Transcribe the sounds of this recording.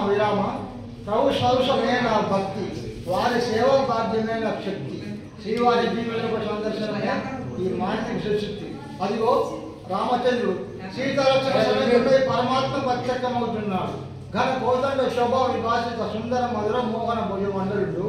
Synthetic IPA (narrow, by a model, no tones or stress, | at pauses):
ʋiɾaːmɐ | pɾɐbuʂɐwʂɐmeːnaːbʱɐk̚t̪iʋaːɾisɛːʋɐbaːɾd̪ʱjɐmeːnɐɐpʂɐkt̪i | ʃɾiːʋaːɦid̪iʋɐlɐpɐsɐnd̪ɐɾʃɐnɐneiːmaːnit̪iʋiʃɐʃit̪ːi | ɐd̪iɡoː | ɾaːmɐt͡ʃelːu | t͡ʃiːt̪ɐlɐk̪ːɐnɐt͡ʃɐnɐd͡ʒupɐjpɐɾɐmaːt̪mɐpɐt̪jɐkːɐmɐwut̪unːaːɽu | ɡʱɐnɐkɔːt̪ɐɳɖeʃɔbʱɐʋibʱaːʃɐt̪ɐsund̪ɐɾɐmɐd̪uɾɐmːɔːɡɐnɐbʱɐɡjɐmɐnd̪ɐuɳɖu